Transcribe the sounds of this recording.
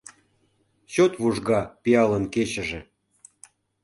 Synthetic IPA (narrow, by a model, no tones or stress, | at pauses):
ɕot̪βuʒɣɑpiɑlənket͡ɕə̆ʒĕ